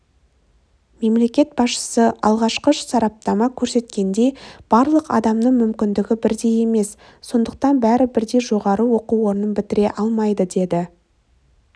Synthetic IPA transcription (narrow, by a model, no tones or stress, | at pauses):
me̞mle̞kʲe̞t̪̚bɑsʃə̥səʔɑ̰lˠʁɑʃqəʃsɑɾɑp̚t̪ɑmɑkʲʰɵɾse̞t̪kʲe̞nd̪e̞jb̥ɑɾlˠəqɑ̰d̪ɑmnəɴmʏmkʲɪnd̪ɪɡʲɪbɪɾd̪e̞je̞me̞sː | o̞nd̪əq̚t̪ɑnbæɾɪbɪɾd̪e̞jʒo̞ʁɑɾəwo̞quwo̞ɾənənbɪt̪ɪɾe̞ʔɑlˠmɑjd̪əd̪e̞d̪ɪ